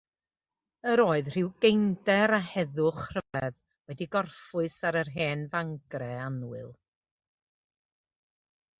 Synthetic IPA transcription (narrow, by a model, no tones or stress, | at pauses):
əɾoːɨðr̥ɪwɡejndɛɾahɛðʊχr̥əvɛð | wɛdiɡɔrfʊɨsaɾərɦeːnvaŋɡrɛanwɨlˠ